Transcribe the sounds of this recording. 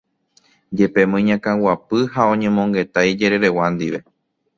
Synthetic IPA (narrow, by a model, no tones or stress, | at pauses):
d͡ʒe̞pe̞mõjɲãkãwapɨɦaõ̞ɲẽ̞mõŋɡe̞t̪ajd͡ʒe̞ɾe̞ɾe̞wãnd̪iʋe̞